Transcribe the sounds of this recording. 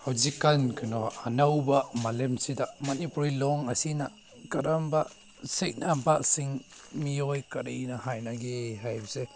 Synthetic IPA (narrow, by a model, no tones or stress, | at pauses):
awzikankʰɯnɔanawbamalemsidaʔmanipulilɔŋasina | kaɾambaʔ | sek̚nampʰaʔsiŋmiɔjkaɾinahajnaɡeɦajbse